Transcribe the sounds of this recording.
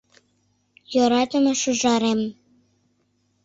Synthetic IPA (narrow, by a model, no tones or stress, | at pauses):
joɾɑt̪ə̆mɤ̆ʃuʒɑɾem